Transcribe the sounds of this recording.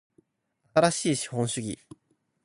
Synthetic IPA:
at̪aɾaɕiːɕi̥hõ̞ɰ̃ɕɨɡʲḭ

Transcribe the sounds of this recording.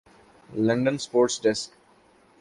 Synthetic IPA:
lʌ̃ɳɖə̃nspoːɾʈsɖɛsk

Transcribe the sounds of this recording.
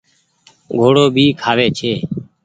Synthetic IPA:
ɡʱoːɽoːbʱiːkʰaːʋeːt͡ʃʰeː

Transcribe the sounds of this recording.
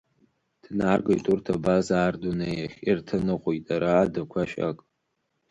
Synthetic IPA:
d̥narɡojtʼurtʰabazaːrdunejaχʲirtʰɨnɨqʷʼʊjtʼaɾaːdakʷʰaʃa̰kʼ

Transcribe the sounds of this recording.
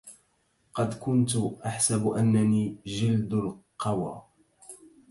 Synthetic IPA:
qɑd̪kʊnt̪ʊʔaħsabʔanːaniːd͡ʒɪld̪ʊlqɑwa̰ː

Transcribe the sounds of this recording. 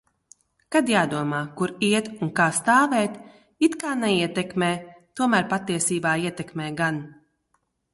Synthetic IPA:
kad̪jaːd̪uɔmaːkuɾiɛt̪unkaːst̪aːvɛːt̪ | it̪kaːnɛiɛt̪ɛkmɛːt̪uɔmæːɾpat̪ːiɛsiːbaːiɛt̪ɛkmɛːɡan

